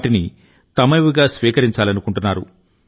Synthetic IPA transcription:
ʈini | t̪ɐmɐʋiɡaːsʋiːkɐɾiɲt͡ʃaːlɐnukuɳʈunːaːɾu

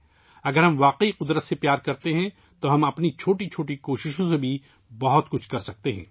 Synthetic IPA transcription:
ɐɡəɾɦɐmʋaːqiqʊd̪ɾət̪sepjaːɾkɐɾt̪eɦɛ̃ | t̪oɦɐmɐpnit͡ʃʰoːʈit͡ʃʰoːʈikoːʃɪʃõsebʱi | bɐɦʊt̪kʊt͡ʃʰkɐɾsɐk̚t̪eɦɛ̰̃ː

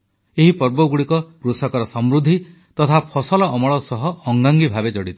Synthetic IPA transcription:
eɦipɔɾbɔɡuɽikɔkɾusɔkɔɾɔsɔmɾud̪ʱːi | t̪ɔt̪ʰapʰɔsɔlɔɔmɔɭɔsɔɦɔːŋɡaŋɡibʱabed͡ʒɔɽit̪ʰi̥

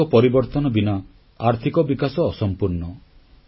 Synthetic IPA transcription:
ɔpɔɾibɔɾt̪ɔnɔbina | aɾt̪ʰikɔbikasɔːsɔmpuɾnɔ

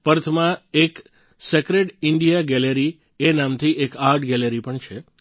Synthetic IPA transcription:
pəɾt̪ʰmãek | sekɾeɖɪɳɖijaɡɛleɾi | enamt̪ʰiʔekaɾʈɡɛleɾipəɳt͡ʃʰe

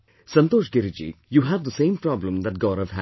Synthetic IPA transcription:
sʌ̃nt̪oːʃɡɪɾid͡ʒḭjuːɦæʋd̪əsẽːmpɾɑblə̃md̪æʈ̚ɡɔːɾəvɦæ

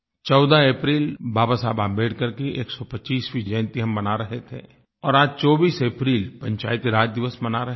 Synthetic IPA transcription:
t͡ʃɔːʊd̪aeːpɾiːlbaːbasaːbabeːɽkɐɾkeʔeːksɔpɐt͡ʃiːsfid͡ʒɛ̃ːnt̪iɦɐmbɐnaɾɐɦet̪ʰḛː | ɔːɾaːd͡ʒt͡ʃɔːbiːseːpɾiːlpɐ̃ɲt͡ʃa̰ːɪt̪ɾaːd͡ʒ̚d̪ɪʋəsmɐnaɾɐɦ

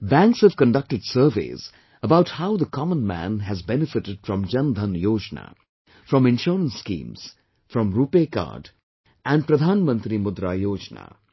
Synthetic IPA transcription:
bæ̃ŋkshəvkə̃nɖʌk̚ʈɨɖsəɾvḛːz̥ | əbaʊʈhaʊðəkʰɑmə̃nmæ̰̃nɦæzbɛnɪfɪʈɪɖ̥fɾʌ̃md͡ʒʌ̃nd̪ʱə̃njoːd͡ʒna̰ | fɾʌ̃mɪ̃nʃɔːɾə̃nsːkḭ̃ːmz̥ | fɾʌ̃mɾuːpeːka̰ːɾɖ | ʔæ̃nɖpɾəd̪ʱaːnmə̃nt̪ɾimʊd̪ɾajoːd͡ʒna̰

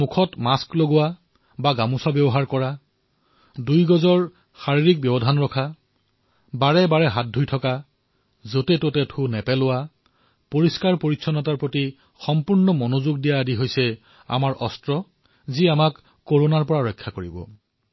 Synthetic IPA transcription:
mukʰɔtmaskloɡʊwa | baɡamusabjɔbɔɦaɹkɔɹa | dujɡɔzɔɹ | xaɹiɹik̚bjɔbɔdʱanɹɔkʰa | baɹɛbaɹɛɦat̚dʱujtʰɔka | zotɛtotɛtʰunɛpɛlʊwa | poɹiskaɹpoɹitːsʰɔnɔtaɹpɹoti | xɔmpuɹnɔmonozuɡdijaːdiɦojsɛ | a̰maɹʔɔstɹɔ | ziamak | kːoɹonaɹpɔɹaɹɔjkʰːakoɹibɔ̰

